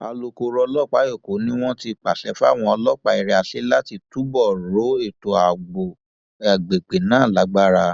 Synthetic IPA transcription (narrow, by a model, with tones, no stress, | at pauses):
a̰˧lo˧ko˧ɾɔ˧lɔ˦˨k͡pa˨˦jo˦˨ko˨˦nĩ˦w̃ɔ̃˦ti˧˨k͡pa̰˨ɬɛ˨˦fa̰˦˨w̃ɔ̃˧ɔ˧lɔ˦k͡pa˧i˧ɾi˧a˧ɬe˦la˦ti˧tu˦bɔ˦˨ɾo˨˦e˦˨to˨a˨ɡ͡bo˨ | a˨ɡ͡be˨k͡pe˨nãː˨˦˨la˨˦ɡ͡ba˦ɾa˧